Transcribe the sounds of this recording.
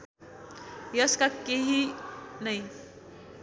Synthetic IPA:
jʌskakeɦinəj

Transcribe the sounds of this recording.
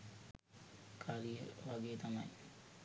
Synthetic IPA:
kʰaːlijə̰ʋaɡejət̪ɐmɐj

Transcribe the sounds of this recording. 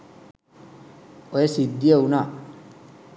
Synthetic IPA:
ɔjesidiewna

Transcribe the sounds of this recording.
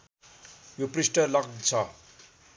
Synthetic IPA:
joprisʈʌlʌkd̪t͡sʰʌ

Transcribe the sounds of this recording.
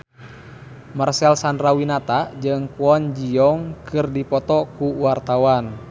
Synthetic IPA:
marsɛlsandɾawinat̪ad͡ʒɨŋpuɔnd͡ʒiɔŋkɨrdipɔt̪ɔkuwart̪awan

